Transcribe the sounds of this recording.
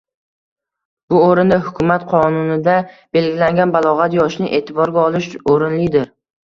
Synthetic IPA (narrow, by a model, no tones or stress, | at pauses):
b̥ʊoɾɪnd̪ahʊkʲʰʊmat̪qʰɒnʊnɪd̪ab̥e̞lɡʲɪlaŋɡʲanbalˠɒʁat̪jɒʃnɪʔe̞ːt̪ʰɪbɒɾɡʲaɒlˠɪʃoɾɪnlɪd̪ɪɾ